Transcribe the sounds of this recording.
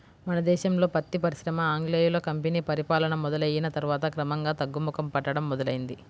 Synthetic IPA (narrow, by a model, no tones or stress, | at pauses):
mɐnɐd̪ɛːʃɐmlo̞ːpɐt̪ːipɐɾiʃɾɐmɐaːŋɡleːjulɐkɐmpeniːpɐɾipaːlɐnɐmɔd̪ɐlɐjinɐt̪ɐɾuʋaːt̪ɐkɾɐmɐŋɡaːt̪ɐɡːumukɐmpɐʈːɐɽɐmːɔd̪ɐlɐjind̪i